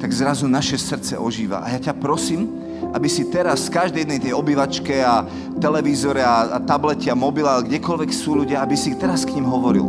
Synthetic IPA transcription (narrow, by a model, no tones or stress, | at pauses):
t̪aɡzɾazunaʃɛsr̩t͡sɛ̰ʔɔʒiːʋa̰ʔa̰jacapɾɔsiːm | ʔabisit̪ɛɾasfkaʒd̪ɛjd̪nɛjt̪ɛjɔbiʋat͡ʃkɛa | t̪ɛlɛʋiːzɔɾɛaat̪ablɛcɛamɔbilalɡɟɛkɔlʋɛksuːluɟɪaabisit̪ɛɾaskɲimɦɔʋɔɾḭl